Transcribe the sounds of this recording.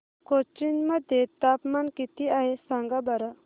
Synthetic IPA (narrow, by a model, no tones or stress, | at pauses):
kot͡ʃinmɐd̪ʱet̪aːpmankit̪iaɦesaŋɡabɐɾa